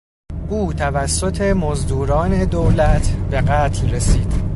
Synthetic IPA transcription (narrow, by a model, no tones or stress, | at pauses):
ʔuːt̪ʰævæsːot̪ʰe̞mozd̪uːɾɒːne̞d̪owlæt̪ʰbe̞ɢæːt̪ʰlresiːd̪̥